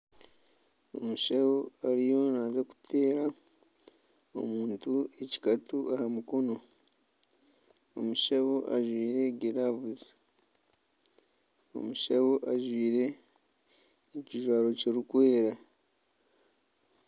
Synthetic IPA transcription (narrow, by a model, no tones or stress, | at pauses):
o̞̰muʃawoaɾijo̞nazeku̥tʰe̞ːɾa | o̞̰muːntue̞ci̥katuʔahamuko̞no̞ | o̞̰muʃawo̞ʔaʒwiːɾe̞ɟeɾavuzi̥ | o̞̰muʃawo̞ʔaʒwiːɾe̞ | ciʒwaːɾo̞ceɾikwe̞ːɾa